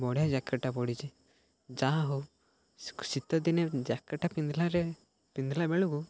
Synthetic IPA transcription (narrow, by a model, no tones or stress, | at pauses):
bɔɽjad͡ʒakːɐʈːapɔɽid͡ʒi | d͡ʒaːɦu | sit̪ːɔd̪ined͡ʒakːɐʈːapind̪laɾe | pind̪labeɭuɡu